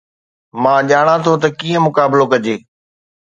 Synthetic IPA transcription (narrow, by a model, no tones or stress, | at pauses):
mãːʄaːɽ̃ãt̪ʰot̪̬ɐkiːə̃mʊkaːbɪlokɐd͡ʑeː